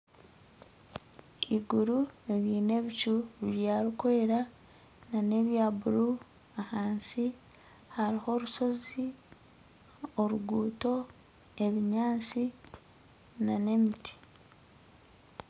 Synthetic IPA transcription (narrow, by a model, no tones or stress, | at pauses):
iɡuɾueβiːne̞βicuββjaːɾikoeɾa | nane̞βjaːbuɾu | ahaːnsi | haɾiho̞ːɾuso̞zi | oɾuɡuːto̞ | e̞βiɲaːnt͡si | nane̞mitʰi̥